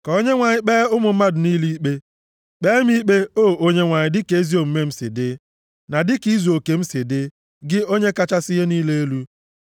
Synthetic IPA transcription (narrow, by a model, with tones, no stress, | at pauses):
kɔ˨o˦ɲe˦ŋʷa˨ɲɪ˦k͡peː˦ʊ˦mʊ˨m̩˦ma˦dʊ˨niː˦li˦k͡pe˦ | k͡peː˦m˦i˦k͡pe˦oː˦˨o˦ɲe˦ŋʷa˨ɲɪ˨dɪ˦ke˨˦e˦zi˦o˨m̩˦me˦m̩˦sɪ̰˨dɪ˦ | na˨dɪ˦ki˦zo˨ke˨m̩˦sɪ˨dɪ˦ | ɡɪ˦o˦ɲe˦ka˦t͡ʃa˦sɪ˦ɦe˦niː˦le˦e˦lu˦